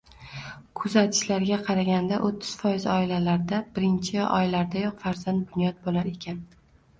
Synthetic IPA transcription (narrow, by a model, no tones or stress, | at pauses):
kʰʊzat̪ʰɪ̥ʃlaɾɡʲaqʰɑɾaɡʲand̪aʔot̪ʰːɪ̥z̥fɒjɪzɒɪlalaɾd̪abɪɾɪnt͡ʃʰɪɒ̰jlaɾd̪ajɒqfaɾzant̪̚bʊnjɒt̪̚bolaɾe̞kʲʰan